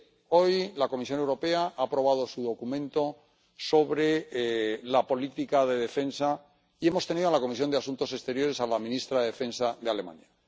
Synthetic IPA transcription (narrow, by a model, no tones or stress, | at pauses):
o̞jlako̞misjo̞ne̞wɾo̞pe̞aʔaːpɾo̞βaðo̞suðo̞kumẽ̞nt̪o̞ | so̞βɾe̞ | lapo̞lit̪ikaðe̞ð̞e̞fe̞nsa | ie̞mo̞st̪e̞niðoalako̞misjo̞nd̪easunt̪o̞se̞st̪e̞ɾjo̞ɾe̞salamĩnist̪ɾaðeðefe̞nsaðe̞ale̞mã̰ɲa